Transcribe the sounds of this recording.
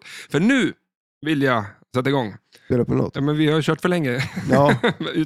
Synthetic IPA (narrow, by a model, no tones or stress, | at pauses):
fœɳʉ̟ː | vɪlja | sɛt̪ːaɪɡɔŋː | peːləpʰːɔnɔ̰t̪ːɑːmɛnvɪhaɾjɕøːʈfœɭɛŋːəɑːʉː